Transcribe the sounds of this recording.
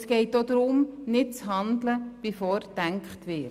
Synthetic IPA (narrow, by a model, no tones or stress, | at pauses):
sɡ̥ɛɪtod̪ɾʊmnɪt̚t͡sɦɑndləb̥ɪfɔːɾd̥æŋkχtʋɪ